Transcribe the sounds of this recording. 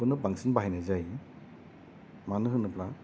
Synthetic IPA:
ɯnɯbaŋsinbaɦajnazaj | manɯɦɯnɯpla

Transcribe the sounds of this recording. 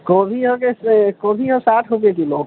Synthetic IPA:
kobʱiɦokeskoːbʱiɦosaːʈʰɦobekiloːɡ

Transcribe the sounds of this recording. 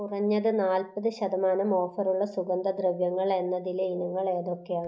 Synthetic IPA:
urɐɲːɐðɨnaːlpɐðɨɕɐðɐmaːnɐmo̞ːfɐruɭːɐsuɡɐnd̪ɐd̪rɨʋjɐŋːɐɭe̞nːɐðileinuŋːɐɭe̞ːðo̞kːejaːɳɨ

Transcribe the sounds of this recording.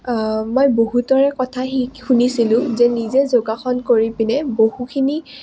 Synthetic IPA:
mojboɦutɔɹɛkɔtʰaɦixunisilʊ̃zɛnizɛzoɡaxɔnkoɹipinɛbohukʰini

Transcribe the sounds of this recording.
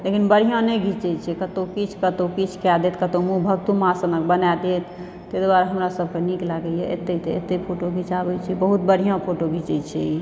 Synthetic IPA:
lekinbəɽ̤ʱijãnɛɡʱit͡ʃɛt͡ʃʰɛkət̪okit͡ʃʰkət̪okit͡ʃʰkad̪et̪kət̪omubʱəɡt̪umãsənək̚bənad̪et̪ | t̪ːed̪waɾɦəmɾasəb̚keniklaɡɛjɛʔḛt̪ːet̪əḛt̪ːepʰoʈoɡʱit͡ʃabɛt͡ʃʰibəɦut̪̚bəɽ̤ʱijãpʰoʈoɡʱit͡ʃɛt͡ʃʰi

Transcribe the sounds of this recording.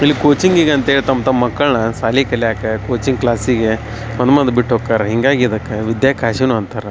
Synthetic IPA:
ilːikoːt͡ʃiŋɡiːɡɐɐnt̪ɐeːɭit̪ɐmt̪ɐmɐkːɐɭnɐsaːlikɐlːiaːkekoːt͡ʃiŋɡklaːsiɡe | mɐnd̪ɐmɐnd̪ɐbiʈːɦoːkːaːɾeɦiŋɡaːɡid̪ɐkːeʋid̪jaːkaːʃinuɐnt̪aːɾe

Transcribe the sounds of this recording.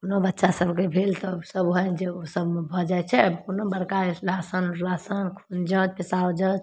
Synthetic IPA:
konobətːʃasəbʱkebʱelt̪ɔsəbɦɔd͡ʒeosəbmebʱɔd͡ʒajt͡ʃʰɛbkonobəɾkaeslasənlasənkʰund͡ʒəd͡ʒpisawd͡ʒəd͡ʒ

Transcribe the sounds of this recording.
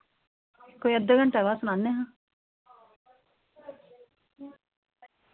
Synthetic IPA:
koːiəd̪ːəːɡəɳʈɛːʋaːsʊnãːnːeːɦãː

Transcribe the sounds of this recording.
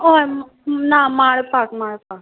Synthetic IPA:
o | namaɽpakmaːɽpak

